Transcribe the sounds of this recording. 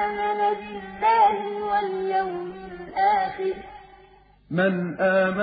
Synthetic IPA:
manabɪlːaːhɪwaljawmɪlʔaːxɪɾ | manʔaːma

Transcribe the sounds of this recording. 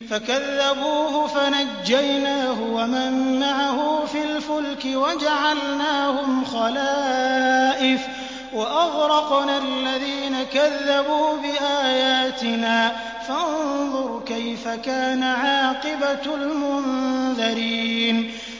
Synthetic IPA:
fakaðːabuːhʊfanad͡ʒːajnaːɦʊwamanːaʕahʊfilfʊlkɪwad͡ʒaʕalnaːhʊmxɑlaː | ʔɪf | waʔɑɣɾˤɑqnalːaðiːnakaðːabuːbɪʔaːjaːt̪ɪnaː | fanðˤʊɾˤkajfakaːnaʕɑːqɪbalmʊnðɑɾiiːn

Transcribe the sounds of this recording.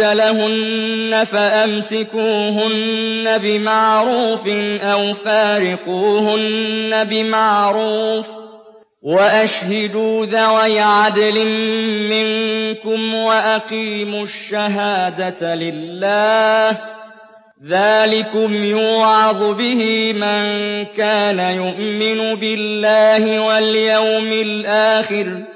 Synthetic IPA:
alaɦʊnːafaʔamsɪkuːɦʊnːabɪmaʕɾuːfɪnʔawfaːɾɪquːhʊnːabɪmaʕɾuːf | waʔaʃhad̪uːðawajʕad̪lɪmɪŋkʊmwaʔaqiːmʊʃːaɦaːd̪alɪlːaːh | ðaːlɪkʊmjuːʕɑd̪ˤʊbɪhɪmaŋkaːnajʊʔmɪnʊbɪlːaːhɪwaljawmɪlʔaːxɪɾ

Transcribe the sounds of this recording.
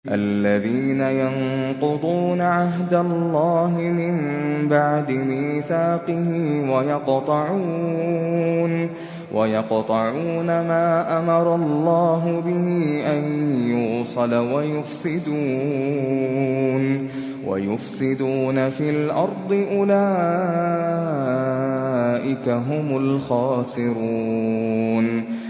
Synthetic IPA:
ʔa̰lːaðiːnajɑnqʊd̪ˤuːnaʕaɦd̪alːɑːɦmɪmbaʕd̪ɪmiːθaːqɨhɪiwajɑqt̪ˤɑʕuː | n | wʔajɑqt̪ˤɑʕuːnamaːʔamɑɾˤɑlˤːɑːɦʊbɪhiiːʔanjʊːsˤɑlwajʊfsɪd̪uː | n | wa̰jʊfsɪd̪uːnafiːlʔɑɾˤd̪ˤɨʔʊlaː | ʔɪkaɦʊmʊlxɑːsɪɾuː | n

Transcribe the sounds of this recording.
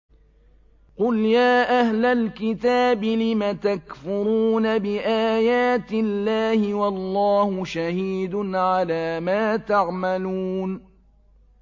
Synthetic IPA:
qʊljaːʔahlalkɪt̪aːbɪlɪmat̪akfʊɾuːnabɪʔaːjaːt̪ɪlːaːhɪwɑlˤːɑːhʊʃahiːd̪ʊnʕalaːmaːt̪aʕmaluːn

